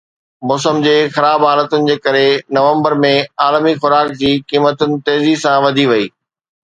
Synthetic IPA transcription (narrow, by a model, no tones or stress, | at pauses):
mɔːsəmd͡ʑeːxɐɾaːbɦaːlət̪ʊnɪ̆d͡ʑeːkɐɾenɐʋə̃mbəɾmẽaːlmixʊɾaːk̚d͡ʑiːkiːmət̪ʊnɪ̆t̪eːzisãʋɐd̪ʱiʋɐiː